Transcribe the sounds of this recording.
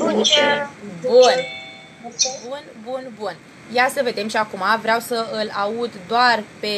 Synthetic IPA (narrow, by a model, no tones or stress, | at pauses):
bun | bunbunbun | jasəve̞d̪e̞mʃiakumavɾeawsəɨlaud̪d̪oarpe̞